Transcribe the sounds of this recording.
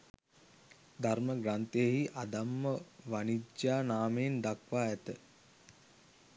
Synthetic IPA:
d̪ʱarməɡɾant̪əjəɦiʔad̪amːəʋanid͡ʒjaːnaːmeːnd̪akʋaːæt̪ə

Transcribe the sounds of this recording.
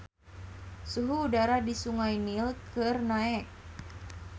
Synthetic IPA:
suɦuːdaɾadisuŋajnilkʰɨrnaɛk̚

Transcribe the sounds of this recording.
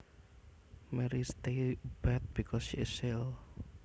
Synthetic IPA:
mɛɾist̪eb̥ɛt̪̚b̥ikʰɔsʃiɪsɪl

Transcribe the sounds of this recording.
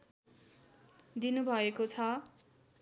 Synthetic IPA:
d̪inubʱʌekot͡sʰʌ

